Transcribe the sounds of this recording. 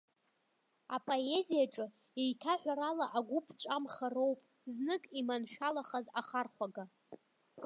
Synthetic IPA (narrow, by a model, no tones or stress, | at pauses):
apʼoe̞zijaʈ͡ʂʼɨ | ejtʰaħʷᶣaɾalaʔaɡʷʊpʰt͡ɕʷʼamχaro̞wpʼ | znɨkʼimanʃᶣalaχazaχarχʷaɡa